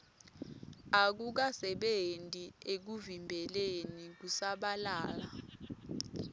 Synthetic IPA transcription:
ak̬uk̬asɛɓentʼiek̬uvimbʱɛlenik̬usaɓalaːla

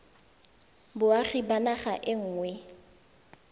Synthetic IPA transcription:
bʊaχibanaχaʔɪŋ̩ːŋwɛ

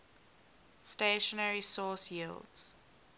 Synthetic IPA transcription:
steʃənəɹisɔːˑsjiːldz̥

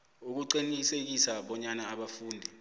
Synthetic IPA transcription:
uk̬uǃinisek̬isaɓɔɲanaːɓafuːndʱi

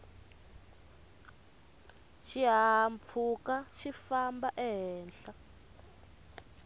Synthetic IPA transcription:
ʃiɦamp̪fʰukaʃifambaʔɛɦɛːnɬa

